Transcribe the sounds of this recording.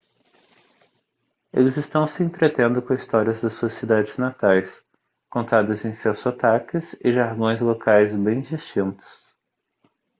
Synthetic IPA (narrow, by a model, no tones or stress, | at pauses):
elɪzɪst̪ɐ̃w̃sɪẽnt̪ɾet̪ẽnd̪ʊkõist̪ɔɾiɐzd̪ɐsːuɐsid̪ad͡ʒɪznat̪ajs | kõnt̪ad̪ɐzẽj̃sɛsʊat̪akɪzɪʒaɾɡõj̃zlokajzbẽj̃d͡ʒist͡ʃĩnt̪ʊ̥s